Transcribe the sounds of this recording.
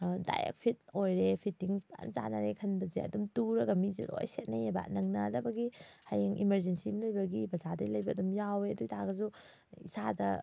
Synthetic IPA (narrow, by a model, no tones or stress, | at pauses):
da̰jḛk̚pʰit̚ojɾepʰitːiŋba̰nza̰naɾekʰɐnbɐzeɐ̰dumtuɾɐɡɐmizḛdo̰jset̚nɐjeba̰tnɐŋnɐdɐbɐɡihajeŋʔimeɾzensiminojbɐɡibɐzadɐjlɐjbɐːdumjaweɐdujtʰaɡɐzu | isadɐ